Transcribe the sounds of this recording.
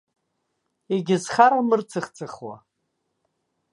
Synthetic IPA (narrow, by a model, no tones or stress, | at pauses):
eɡʲɪzχaɾamɨrt͡sʰɨχt͡sʰʼɨχwa̰